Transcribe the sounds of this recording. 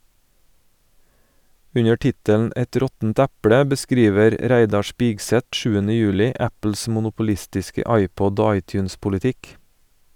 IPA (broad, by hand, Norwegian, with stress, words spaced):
ˈʉɲə ˈʈɪtənn̩ ˈɛt ˈɾɔtn̩t ˈɛpɽə bəˈskɾiːʋəɾ ˈɾæɪdɑ ˈspɪɡˌsɛt ˈʃʉːənə ˈjʉːlɪ ˈæpl̩s mʊnʊpʊˈlɪstɪskə ˈɑɪˌpɔd ˈoː ˈɑɪˌtjʉːnspʊlɪˌtɪk